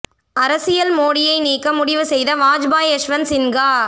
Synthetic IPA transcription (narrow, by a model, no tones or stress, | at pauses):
ɐɾɐsɪjɐlmoːɽɪjɐɪniːkːɐmʊɽɪʋɯsɛjðɐʋaːd͡ʒbaːjɐʂʋɐnsɪnɡaː